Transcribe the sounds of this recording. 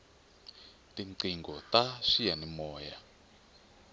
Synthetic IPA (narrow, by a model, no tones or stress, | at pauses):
tiǀiŋɡɔtaʂijanimɔːja